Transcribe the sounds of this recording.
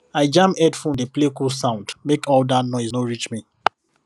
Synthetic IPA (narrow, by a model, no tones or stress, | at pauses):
aɪd͡ʒãmɛdfɹɔ̃mdeplekulsãʊ̃ndmekɔldatnɔɪsnoɹit͡ʃmi